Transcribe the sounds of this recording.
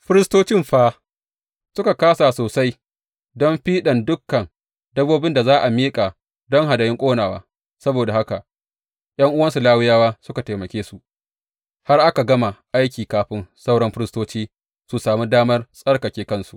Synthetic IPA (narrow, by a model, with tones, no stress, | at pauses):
ɸɪ˦ɾɪ˦stoː˦t͡ʃɪ˦˨mɸaː˦ | sʊ˦ka˨kaː˦sa˨soː˨sa˦j | dɔ˦mɸiː˦ɗɐ˨ndʊ˦kːɐ˨n | dɐ˦boː˦bɪ˦nda˨zaː˦ʔa˨miː˦kʼa˨ | dɔ˦ŋɦa˨da˨jɪ˦ŋkʷʼoː˦naː˨waː˦ | sɐ˦boː˨da˨ha˦ka˨ʔ | j̰ɐ˦ŋʔʊ˦wɐ˦nsu˨laː˦wɪ˦jaː˦waː˦sʊ˦ka˨ta˨mɐ˨kʲeː˦su˨ʔ | ha˦rʔa˦ka˨ɡɐ˦ma˨ʔa˦jkʲiː˨kaː˨ɸɪ˦nsa˦wɽɐ˦mɸɪ˦ɾɪ˦stoː˦t͡ʃiː˦ | su˨saː˨mi˦daː˦mɐ˦rsʼɐ˦rkɐ˨kʲeː˦kɐ˦nsu˨ʔ